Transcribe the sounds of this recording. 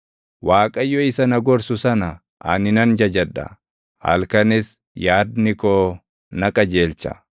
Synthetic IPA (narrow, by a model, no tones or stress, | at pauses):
waːkʼɐjːɔɪsɐnɐɡɔɾsʊsɐnɐ | ʔɐ̰nɪnɐnd͡ʒɐd͡ʒɐᶑɐ̰ | hɐ̰lkɐnɪs | jaːd̪nɪkoː | nɐkʼɐd͡ʒe̞ːlt͡ʃɐ̰